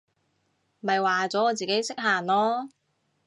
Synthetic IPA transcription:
mɐ˨jwaː˨t͡sɔː˨˥ɔː˨˧t͡siː˨ke˨˥jsɪ˥k̚ɦaː˨˩nlɔː˥

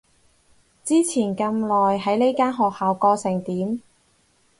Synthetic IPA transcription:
t͡siː˥t͡sʰiː˨˩nkɐ˧mlɔː˨jɦɐ˨˥jle˥jkaː˥nɦɔː˨k̚haː˨wkɔː˧sɪ˨˩ŋt̪iː˨˥m

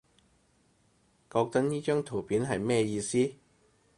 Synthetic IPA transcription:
kɔː˧k̚t̪ɐ˥k̚niː˥t͡ʃœː˥ŋt̪ʰo˨˩wpiː˨˥nɦɐ˨jmɛː˥jiː˧siː˥

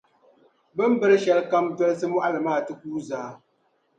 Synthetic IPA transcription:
bɨ˦m˦bɨ˦ɾɨ˦ʃɛ˨lka˦mdɛ˦lsɨ˦mwɔ˦ʔa˦lɨ˨maː˦˨tɨ˦kuː˦zaː˨˦

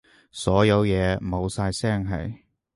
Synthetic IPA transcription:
sɔː˨˥jɐ˨˧wjɛː˨˧mo˨˧wsaː˧jsɛː˥ŋɦɐ̰˨j

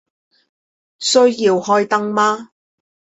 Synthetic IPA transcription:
sɵ˥ɥjiː˧whɔː˥jt̪ɐ˥ŋmaː˥

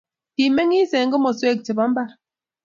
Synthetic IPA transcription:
ti˨me˦ŋi˦sɛ˨˦ŋ˦ɡə˦mɔ˨swe˦˨k̚t͡ʃi˨ba˨˦m̩˦ba˦

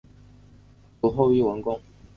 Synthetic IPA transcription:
u˨˩xo˥˧ʊy˥˩wə˧˥nkʊ˥ŋ

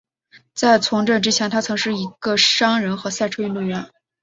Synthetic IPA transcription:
t͡sa˥˩ɪt͡sʰʊ˧˥ŋʈ͡ʂɤ˥˩ŋʈ͡ʂɻ̩˥t͡ɕʰjɛ˧˥nt̪ʰa˥t͡sʰɤ˧˥ŋʂɻ̩˥˩i˧˥ɡ̥ə˧ʂɑ˥ŋɻə˧˥nxɤ˧˥sa˥˧ɪʈ͡ʂʰwe˥ɪnu˥˩ɥɛ˥˩n

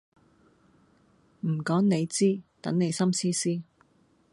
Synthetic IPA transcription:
m̩˨˩kɔː˨˥ŋne˨˧jt͡siː˥t̪ɐ̰˨˥ŋne˨˧jsɐ˥msiː˥siː˥

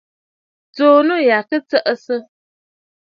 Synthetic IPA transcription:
t͡soː˨nə˦ja˨kə˦t͡sə˦ʔə˦sɨ˦

